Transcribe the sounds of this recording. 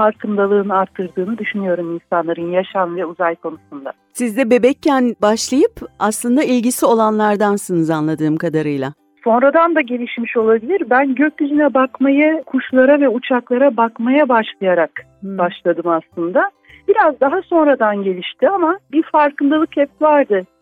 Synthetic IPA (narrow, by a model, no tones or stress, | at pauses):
faɾkʰɯnd̪alˠɯːnɯaɾt̪ʰːɯɾd̪ɯːnɯd̪yʃynyjo̞ɾuminsanlˠaɾɯnjaʃanvɛuzajkʰo̞nusund̪a̰ | sizd̪ɛbe̞bɛcːænbaʃlˠajɯpaslˠɯnd̪ailʲɟisio̞lˠanlˠaɾd̪ansɯnɯzanlˠad̪ɯːmkad̪aɾɯjlˠa | so̞nɾad̪and̪aɟe̞lʲiʃmiʃo̞lˠabilʲiɾbænɟøc̚d̪yd͡ʒinɛbakmajakʰuʃlˠaɾavɛut͡ʃʰaklˠaɾabakmajabaʃlˠajaɾak | baʃlˠad̪ɯmaslˠɯnd̪a | b̥iɾazd̪aɦaso̞nɾad̪anɟe̞lʲiʃt̪ʰiamabiɾfaɾkɯnd̪alˠɯkhɛpvaɾd̪ɯ